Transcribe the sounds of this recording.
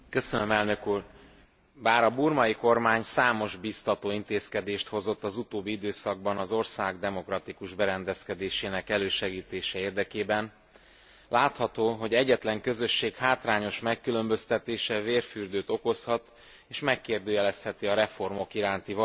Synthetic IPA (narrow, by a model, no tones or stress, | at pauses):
køsønømɛlnø̞kuːr | baːɾɒburmɒjiko̞rmaːɲsaːmo̞ʒbist̪ɒt̪oːint̪eːskɛd̪eːʃt̪ho̞zo̞t̪ːɒzut̪oːbːiid̪øːsɒɡ̚bɒnɒzo̞rsaːɡd̪ɛmo̞krɒt̪ikuʒbɛɾɛnd̪ɛskɛd̪eːʃeːnɛkɛløːʃɛɡiːt̪eːʃɛeːrd̪ɛkeːbɛn | laːt̪hɒt̪oːɦo̞ɟɛɟːɛt̪lɛŋkø̞zø̞ʃːeːkhaːt̪raːɲo̞ʃmɛkːylø̞mbø̞st̪ɛt̪eːʃɛveːrfyrd̪øːt̪o̞ko̞shɒt̪ | eːʃmɛkːeːrd̪øːjɛlɛst̪hɛt̪iɒɾɛfo̞rmo̞kiɾaːnt̪ivɒ